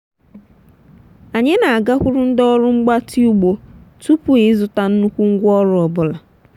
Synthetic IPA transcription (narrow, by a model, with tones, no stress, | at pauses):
a˨ɲe˦na˨a˨ɡa˦kʷʊ˦ɾʊ˦n̩˦dɔ˦ɾʊ˦ŋ͡m̩˦ɡ͡ba˦ti˦u˦ɡ͡bo˨tu˦pu˨e˨˦zʊ˨ta˨n̩˦nu˦kʷu˦ŋ̩˦ɡʷɔ˦ɾʊ˦ɔ˨bʊ˨la˨